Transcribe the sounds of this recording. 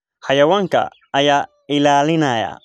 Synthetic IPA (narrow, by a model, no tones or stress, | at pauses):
hajawaŋka̰ː | ja | ɪlalɪnaja̰